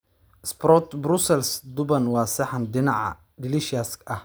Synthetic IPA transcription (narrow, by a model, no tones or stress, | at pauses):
ɪsprɔt̪brʊsɛlsd̪ʊbɐnwɑːsɐħɑndɪnɑʕɑ̰ | dɪlɪʃɪaskʔɐh